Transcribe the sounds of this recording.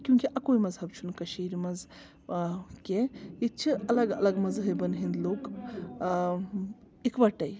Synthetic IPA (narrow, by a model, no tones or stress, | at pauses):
kʲjũŋkiʔɐkoːjmɐzɦɐb̚t͡ʃʰunkɐʃiːɾmɐz | kʲejit͡ʃʰiɐlɐɡɐ̰lɐɡmɐzɦɐjbɐnɦĩnd̪loːk | ikʋɐʈɐj